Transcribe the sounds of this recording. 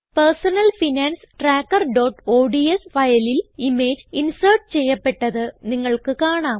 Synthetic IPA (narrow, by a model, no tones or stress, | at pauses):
pɐrsɐnɐlfinaːnsʈraːkːɐrɖoːʈːoːɖiesfɐjɐlilime̞ːd͡ʑinsɐrʈt͡ɕe̞jːɐpːe̞ʈːɐðɨniŋːɐɭkɨkaːɳaːm